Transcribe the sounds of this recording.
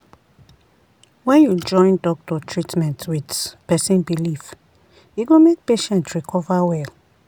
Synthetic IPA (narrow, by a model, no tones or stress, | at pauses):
wɛ̃njud͡ʒɔ̃ɪ̃ndɔk̚tɔtʰɹitmɛ̃ntwitpɛsĩnbilif | jiɡomek̚peʃɛ̃ntɹikʰɔvawɛl